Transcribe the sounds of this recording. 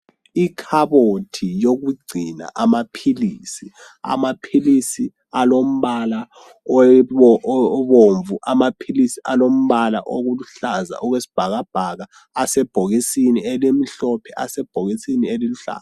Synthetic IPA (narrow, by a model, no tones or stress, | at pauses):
ikʰaβotʰijoɣuɡ͡ǀʱina̰ʔamapʰilisi | a̰mapʰilisi | alom̩βala | βoɱvuʔamapʰilisiʔalom̩βala̰ʔoɣuluɬaza̰ʔɔɣwesi̥b̥ʱaɣab̥ʱaɣaː | sɛb̥ʱoɣisinielim̩ɬɔpʰɛasɛb̥ʱoɣisinieliluɬa̰ːz